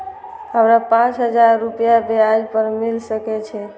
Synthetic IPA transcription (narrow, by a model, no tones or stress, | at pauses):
əmɾapãt͡ʃɦəd͡ʒaɾːupjabead͡ʒpəɾmilsəkɛt͡ʃʰɛ